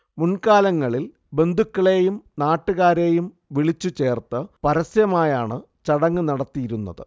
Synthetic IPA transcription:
munkaːlɐŋːɐɭil | be̞nd̪ʱukːɐɭeːjumnaːʈːuɣaːɾe̞ːjum | ʋiɭit͡ɕːut͡ɕe̞ːrt̪ɨpɐɾɐsjɐmaːjaːɳɨ | t͡ɕɐɽɐŋːɨnɐɽɐt̪ːijiɾunːɐ̰ðɨ̰

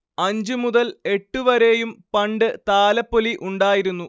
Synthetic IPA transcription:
ɐɲd͡ʑɨmuðɐle̞ʈːuʋɐɾe̞jumpɐɳɖɨt̪aːlɐpːoliʔuɳɖaːjiɾunːu

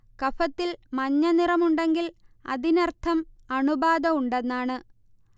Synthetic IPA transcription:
kɐfɐt̪ːilmɐɲːɐnirɐmuɳɖe̞ŋɡilɐ̰ðinɐrt̪ʰɐmɐɳubaːd̪ɐuɳɖenːaːɳɨ

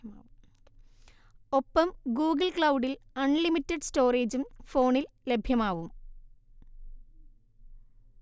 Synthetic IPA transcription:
u | o̞pːɐmɡuːɡɐlkɭɐwɖilɐɳlimitːɐɖsto̞ːreːd͡ʑumfo̞ːɳil | lebʱjɐmaːʋum

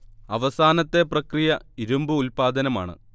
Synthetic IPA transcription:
ɐʋɐsaːnɐt̪ːe̞prɐkrijɐiɾumbɨulpaːd̪ɐnɐma̰ːɳɨ̰

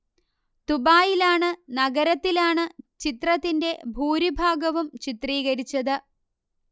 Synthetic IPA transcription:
t̪ubaːjilaːɳɨnɐɡɐɾɐt̪ːilaːɳɨt͡ɕit̪rɐt̪ːinde̞bʱuːɾibʱaːɡɐʋumt͡ɕit̪riːɣɐɾit͡ɕːɐðɨ

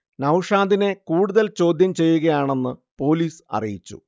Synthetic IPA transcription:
nɐwʂaːnd̪ine̞kuːɽuðɐlt͡ɕo̞ːd̪ʱjɐmt͡ɕe̞jːuɣɐjaːɳe̞nːɨpo̞ːliːsɐ̰rḭjit͡ɕːṵ

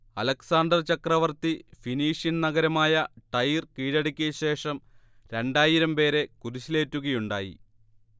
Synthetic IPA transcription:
ɐlɐksaːnɖɐrt͡ɕɐkrɐʋɐrt̪ifiniːʂjɐnnɐɣɐɾɐmaːjɐʈɐjrkiːɽɐɽikʲːujɐɕe̞ːʂɐm | ɾe̞ɳɖaːjiɾɐmpe̞ːɾe̞kuɾuɕile̞ːtːuɣɐjuɳɖaːjḭ

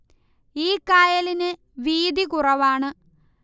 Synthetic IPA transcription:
iːkaːjɐlinɨ | ʋiːd̪ikurɐʋaːɳɨ

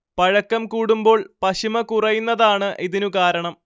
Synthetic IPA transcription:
pɐɻɐkːɐmkuːɽumbo̞ːɭpɐɕimɐkurɐjunːɐðaːɳɨʔiðinukaːɾɐɳɐm

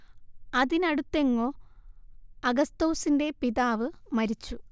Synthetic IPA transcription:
ɐðinɐɽut̪ːe̞ŋːo̞ː | ɐɡɐst̪oːsinde̞piðaːʋɨmɐɾit͡ɕːu

